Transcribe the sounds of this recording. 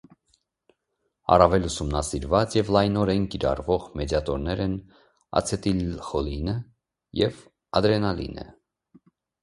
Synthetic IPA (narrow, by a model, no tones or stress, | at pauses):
ɑ̰rɑvɛlusumnɑsiɾvɑt͡sjɛvlɑjnɔɾɛnkiɾɑ̰rvɔʁmɛd̪jɑt̪ɔɾnɛɾɛn | ɑ̰t͡sʰɛt̪ilχɔlinə | jɛv | ɑd̪ɾɛnɑlḭnə̰